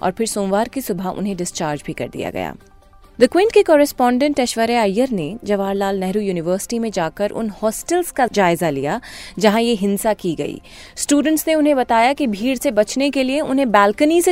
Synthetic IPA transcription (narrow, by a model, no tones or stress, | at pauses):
ɔ̰ːɾpʰɪɾsoːmʋaːɾkisʊbʱaʔʊ̰nɦẽɖɪst͡ʃaːɾd͡ʒbʱikɐ̰ɾd̪ḭja̰ɡɐ̰ja̰ː | d̪əkwẽːɳʈkikɔːɾɛspɔ̃ːɳɖə̃ɳʈɛʃʋəɾeaːjəɾned͡ʒɐʋaːɾlaːlnɛɦɾujuːnɪʋəːɾsɪ̥ʈimẽd͡ʒaːkəɾʔʊ̰nhɔːsʈəlz̥kad͡ʒaːɪzalḭjad͡ʒɐɦãjeɦɪ̃nsakiɡɐ̰ḭː | sʈjuːɖə̃ɳʈsneʊnɦẽbɐt̪aːjakibʱiːɽsebɐt͡ʃnekelieʊnɦẽbɛːlkənise